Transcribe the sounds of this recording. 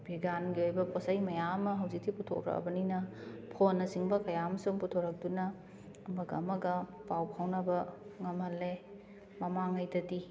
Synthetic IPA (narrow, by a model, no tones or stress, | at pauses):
bʱiɡanɡiojbɐposɐjmɐjaɐmɐɦɐwzik̚tʰiputʰo̰kɾɐ̰kbɐninɐpʰonːɐsiŋbɐkɐjaɐmɐsuŋputʰoɾɐk̚dunɐː | mɐɡɐːmɐɡɐpawpʰawnɐbɐŋɐmhɐle | mɐmaŋɐjdɐti